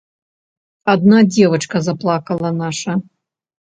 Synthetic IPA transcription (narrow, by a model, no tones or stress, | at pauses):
ad̪nad͡zʲɛvɐt͡ʂkɐzaplˠakɐlˠɐnaʂɐ